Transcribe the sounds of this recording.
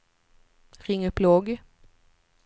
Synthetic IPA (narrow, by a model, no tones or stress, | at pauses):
ʁɪŋːəpʰloːɡə